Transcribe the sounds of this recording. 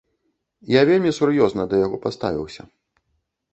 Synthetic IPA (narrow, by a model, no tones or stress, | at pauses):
javʲelʲmʲisuɾjɔznɐd̪ɐjaɣɔpast̪a̰vʲḭwsʲɐ̰